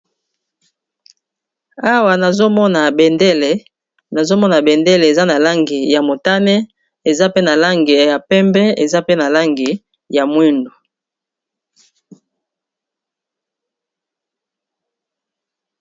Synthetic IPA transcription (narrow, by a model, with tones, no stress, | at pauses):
a˦wa˨na˨zo˦mɔ˦na˨bɛ˨nde˦le˨ | na˨zo˦mɔ˦na˨bɛ˨nde˦le˨e˨za˦na˨la˦ŋɡi˨ja˨mo˨ta˦nɛ˦ | e˨za˦pe˦na˨la˦ŋɡi˨ja˨pɛ˦mbɛ˦e˨za˦pe˦na˨la˦ŋɡi˨ | ja˨mwi˦ndo˨